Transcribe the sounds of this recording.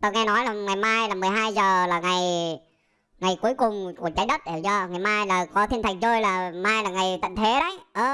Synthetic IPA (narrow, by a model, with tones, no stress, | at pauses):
t̪o˧jŋɛ˧nɔ˨˦jlaː˨˩ŋa˨˩jmaː˧jlaː˨˩mɨ˨˩əjɦaː˧jzəː˨˩laː˨˩ŋa˨˩j | ŋa˨˩jku˨˧˦əjkʊ˨˩ŋ͡mku˧˩ət͡ɕaː˨˦jɗə˦˥t̚ɗzɔ˧ŋa˨˩jmaː˧jlaː˨˩kɔ˨˦t̪ʰi˧nt̪ʰa˨˩ŋ̚zoː˧jlaː˨˩maː˧jlaː˨˩ŋa˨˩jt̪ḭ˧˨ŋ̟t̪ʰe˨˦ɗə˨˦jʔəː˧˩